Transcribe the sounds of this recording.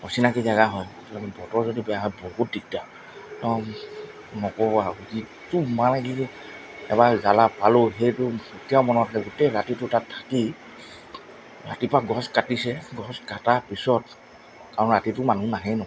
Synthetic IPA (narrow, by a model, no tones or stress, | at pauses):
ɔsinakizaɡaɦɔjtɔambɔtɔɹzodibɛjaɦɔjbɔɦut̚dik̚ta | tɔ | nɔkɔbɔaɡuzi | tumanaɡi | ɛ̰bazalapalʊɦejtʊutijawmɔnɔtakɛɡutɛɹatitʊtatʰːḁki | ɹa̰tipɹaɡɔskatisɛɡɔskatapisɔt | kaɹɔnɹatitʊmanunaɦɛnɔ